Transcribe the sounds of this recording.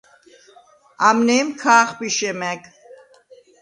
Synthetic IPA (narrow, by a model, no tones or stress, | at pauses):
amnɛːmkʰaːχbiʃɛmɛk